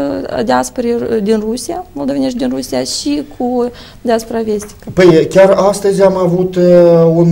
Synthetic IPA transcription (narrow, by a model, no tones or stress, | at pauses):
d̪ʲeaspoɾed̪inrusiamolˠd̪o̞veinet̪d̪ʲinrusiaʃikʰu | d̪easpoɾave̞st̪i̥kəpəjkʲarast̪əzʲamavut̪un